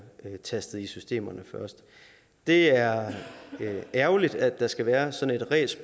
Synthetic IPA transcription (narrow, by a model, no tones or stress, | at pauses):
t͡sʰæsd̥ð̩ˠisysd̥e̝̰ːmɐnəfɶɐsd̥ | d̥e̝æɐ | æɐʊlid̥æd̥ːɑ̈sɡ̥æʋæːɐsɒ̽ne̝d̥ʁɛ̰ːsb